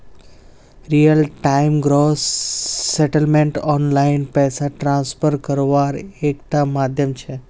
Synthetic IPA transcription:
ɾijəlʈaimɡɾosː | eʈəlmẽɳʈɔnlainpɛsaʈɾãnsfəɾkəɾʋaɾekʈ̪amad̪ʱjəmt͡ʃʰe

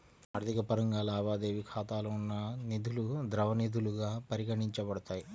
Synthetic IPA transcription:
ɐɾd̪ʱikɐpɐɾɐŋɡaːlaːʋaːd̪e̞ːʋikʰaːt̪aːlɐunːɐnid̪ʱulud̪ɾɐʋɐnid̪ʱuluɡaːpɐɾiɡɐɳiɲt͡ʃɐbɐɽɐt̪aːji

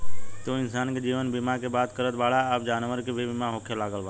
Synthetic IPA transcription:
t̪oɪnsaːnked͡ʒiːʋənbɪmakebaːt̪kəɾət̪ʋaːɽaaːp̚d͡ʒaːnʋəɾkebʱibɪmaɦoːkʰjalaːɡəlʋaː

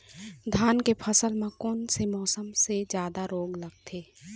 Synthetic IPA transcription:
d̪ʱaːnkepʰəsəlmẽkoːnsemɔːsəmsed͡ʒjaːd̪aɾoːɡləɡ̚t̪ʰeː

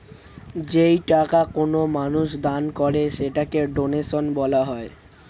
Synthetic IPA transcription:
d͡ʑejʈakakonomanuʃd̪ankɔɾeʃeʈakeɖonesonbɔlaɦɔe

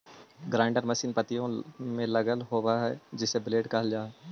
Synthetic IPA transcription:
ɡɾãːɳɖəɾmɐsiːnpət̪ijõmẽlɐɡəlɦoːwaɦɛd͡ʒɪsːebɪleːɖkɐɦəld͡ʒaːɛ

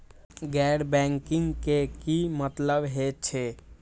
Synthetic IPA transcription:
ɡɛɾbɛŋkiŋɡkekimət̪ləbɦet͡ʃʰe

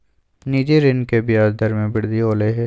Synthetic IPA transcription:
niːd͡ʒeɾɪnkebɪjaːdd̪ɐɾmẽbɪɽd̪ioːleɦɛː

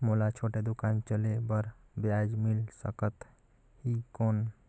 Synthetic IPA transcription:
molat͡ʃʰoʈed̪ukant͡ʃəlebəɾbjad͡ʒmilsəkət̪ | hikon

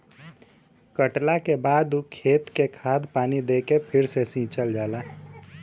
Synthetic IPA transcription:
kəʈlakebaːd̪ukʰeːt̪kekʰaːd̪paːnid̪eːkepʰɪɾsesĩːt͡ʃəld͡ʒaːlaː

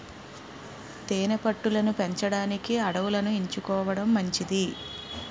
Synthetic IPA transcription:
t̪eːnepɐʈːulɐnupe̞ɲt͡ʃɐɽaːnikiɐɽɐʋulɐnuiɲt͡ʃukɔːʋɐɽɐmːɐɲt͡ʃid̪i

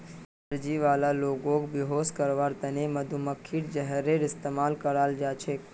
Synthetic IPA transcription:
əɾd͡ʒiʋalaloɡokbiɦoskəɾʋaɾt̪əneməd̪ʱuməkʰːiʈd͡ʒəɦəɾeɾɪst̪emalkəɾald͡ʒat͡ʃʰe

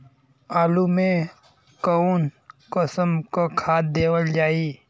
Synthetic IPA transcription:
aːlumẽ | konkəsəmkokʰaːd̪̚d̪eːwəld͡ʒaːi

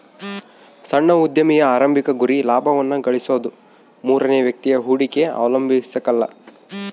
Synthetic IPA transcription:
sɐɳːɐud̪jɐmijɐaːɾɐmbʱikɐɡuɾilaːbʱɐʋɐnːɐɡɐɭisoːd̪u | muːɾɐneːʋjɐk̚t̪ijɐɦuːɽikeɐ̰ːʋɐlɐmbʱisɐkɐlːɐ

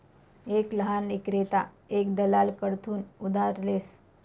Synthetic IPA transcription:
ekləɦanlikɾet̪a | ekd̪əlalkəɽt̪ʰuːnud̪aɾles

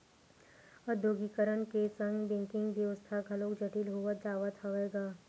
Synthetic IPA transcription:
əd̪ʱjoːɡiːkəɾəɳkesə̃ŋɡbɪ̃ŋkɪ̃ŋɡʋjəʋəst̪ʰaɡʱɐlõkd͡ʒɐʈilɦuad͡ʒaːʋat̪ʰaʋeːɡaː

